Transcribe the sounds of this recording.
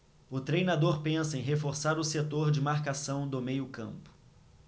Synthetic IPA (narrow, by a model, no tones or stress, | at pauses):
ʊt̪ɾejnad̪oɾpẽsɐẽj̃ɦefoɾsaɾʊset̪oɾd͡ʒɪmaɾkasɐ̃w̃d̪ʊmejʊkɐ̰̃mpʊ̥